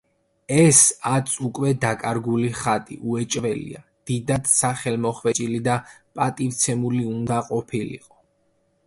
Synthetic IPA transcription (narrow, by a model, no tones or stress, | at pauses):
ɛsat̪sʼʰukʼwɛd̪akʼaɾɡuliχat̪ʼḭʔuɛt͡ʃʼvɛlḭa̰d̪̥id̪ad̪̥saχɛlmɔχwɛt͡ʃʼilid̪apʼat̪ʼivt̪sʰɛmuliund̪aqʼɔpʰilḭqʼɔ